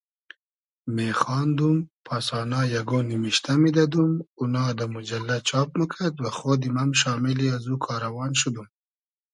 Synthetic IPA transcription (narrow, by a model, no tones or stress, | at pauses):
mexɑːnd̪umpʰasɑnɑjaɡonimiʃt̪amid̪ad̪umunɑːd̪əmʊd͡ʒalːat͡ʃɑːp̚məkʰad̪waxod̪imamʃɑːmɪliazukʰɑːɾawɑnʃud̪um